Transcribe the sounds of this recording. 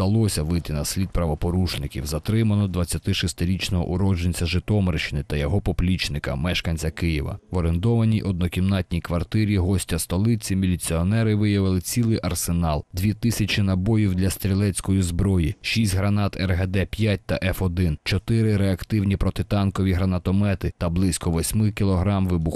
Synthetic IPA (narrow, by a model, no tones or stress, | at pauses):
d̪̥ɐlˠɔsʲɐʋɪjt̪ɪnɐsʲlʲid̪̚pɾɐʋɔpɔɾuʃnɪkʲḭwzɐt̪ɾɪmɐnɔd̪ʋɐt͡sʲːɐt̪ɪʃist̪ɪɾʲit͡ʃnɔɦɔ̰ʔʊɾɔd͡ʒenʲt͡sʲɐʒɪt̪ɔmeɾʃɪnɪt̪ɐjɔɦɔpɔplʲit͡ʃnɪkɐ̰mɛʃkɐnʲt͡sʲɐkɪjɪʋɐ̰ʋɔɾent̪ɔʋɐnʲiʔɔd̪̚nɔkʲimnɑt̪ʲnʲijkʋɐrt̪ɪɾʲiɦɔsʲtʲɐst̪ɔlˠɪt͡sʲimʲilʲit͡sʲiɔnɛɾɪʋɪjɐʋɪlˠɪt͡sʲilˠɪjʔɐrsenɑlˠd̪ʲʋʲit̪ɪsʲɐt͡ʃinɐbɔjiwd̪lʲɐst̪ɾʲilˠɛt͡sʲkɔjizbɾɔjiʃisʲtʲɦɾɐnɑt̪ɛrɦɛd̪ɛpʲjat̚ʲt̪ɐʔɛfɔd̪ɪnt͡ʃɔt̪ɪɾɪɾeɐkt̪ɪwnʲipɾɔt̪ɪt̪ɑnkɔʋʲiɦɾɐnɐt̪ɔmɛt̪ɪt̪ɐblˠɪsʲkɔʋɔsʲmɪkʲilˠɔɦɾɑmʋɪbʊx